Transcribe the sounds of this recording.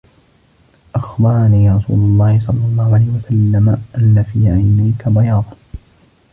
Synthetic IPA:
ʔɑxbɑɾˤɑniːɾˤɑsṵːlɑlˤːɑːhɪsˤɑlːɑlˤːɑːhʊʕalajhɪwasalːamaʔanːafiːʕajnajkabɑjɑːd̪ˤ

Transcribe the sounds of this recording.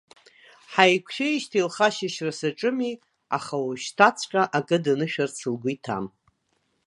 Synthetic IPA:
ħajkʷʰʃᶣejʃtʰilχaʃɪʃrasaʈ͡ʂʼɨmi | a̰χawuʃtʰat͡sʼʰkʲʼaʔakʼɨdanɨʃᶣart͡sʰɨlɡʷʊitʰa̰m

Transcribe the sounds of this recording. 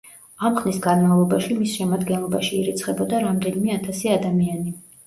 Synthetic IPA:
amχnisɡanmavlˠɔbaʃimisʃɛmad̪ɡɛnlˠɔbaʃiːɾit̪sʰχɛbɔd̪aɾamd̪ɛnimɛat̪ʰasiad̪amiani

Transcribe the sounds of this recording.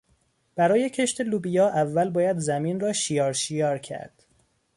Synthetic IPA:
b̥æɾɒːje̞cʰe̞ʃt̪ʰe̞luːbijɒːʔævːælbɒːjæd̪zæmiːnrɒːʃijɒːɾʃijɒːɾcʰæ̰ɾd̪̥

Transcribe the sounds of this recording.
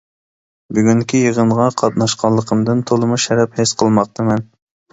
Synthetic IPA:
byɡʲyŋkʲʰijəʁəɴʁɑqʰɑt̪̚nɑʃqʰɑnlˠːəqʰəmd̪ɨnt̪ʰolˠɨmuʃɛɾɛphesqʰəlˠmɑq̚t̪ʰɨmɛn

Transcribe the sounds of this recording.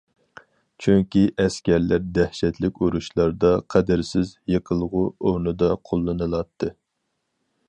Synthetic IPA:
t͡ʃʰyŋkʲiʔɛskʲɛɾlæɾd̪æhʃɛt̪lɪkʲuɾuʃlˠɑɾd̪ɑqʰɛd̪ɪɾsɪzjɨqʰəlˠʁʊoɾnɨd̪ɑqʰolˠːɨnɨlˠɑt̪ʰːɨ

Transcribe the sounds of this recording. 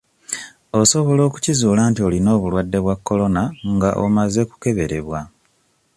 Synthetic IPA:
o̞so̞βo̞lo̞ːku̥cizuːlaːntio̞lino̞ːβulwadːe̞βwakːo̞lo̞naŋɡaʔo̰maze̞ku̥ke̞βe̞ɾe̞βwa

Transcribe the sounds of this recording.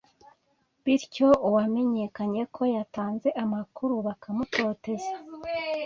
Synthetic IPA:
βiɾco̞uwame̞ɲe̞kaɲe̞kʰo̞jataːnze̞ʔamakʰuɾuβakamuto̞ːte̞ze

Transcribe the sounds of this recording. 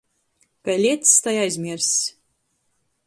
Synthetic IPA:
kajlʲit̪st̪ajajzʲmʲiɛɾsʲ

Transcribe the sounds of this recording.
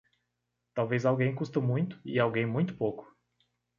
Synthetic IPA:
t̪awvezawɡẽj̃kust̪ɐmũj̃t̪ʊ̥iawɡẽj̃mũj̃t̪ʊ̥powkʊ̥

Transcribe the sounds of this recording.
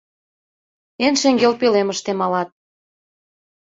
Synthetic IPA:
enʃeŋɡelpeleməʃt̪emɑlɑt̪̚

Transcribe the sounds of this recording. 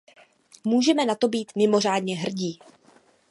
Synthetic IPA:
muːʒɛmɛnat̪o̞biːt̪mɪmo̞r̝aːdɲɛɦr̩ɟiː

